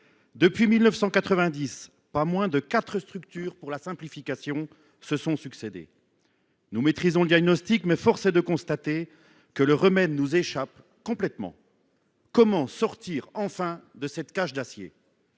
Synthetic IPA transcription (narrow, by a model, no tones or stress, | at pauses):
d̪əpɥimilnəfsɑ̃kat̪χəvɛ̃d̪is | pamwɛ̃d̪əkat̪χəst̪χyk̚t̪yːʁpuʁlasɛ̃plifikasjɔ̃ | səsɔ̃syksed̪ḛ | numet̪χizɔ̃ləd̪jaɡnɔst̪ikmɛfɔʁsed̪əkɔ̃st̪at̪e | kələʁəmɛd̪nuzeʃap | kɔ̃plɛt̪mɑ̰̃ | kɔmɑ̃sɔʁt̪iʁɑ̃fɛ̃d̪əsɛt̪kaʃd̪asjḛ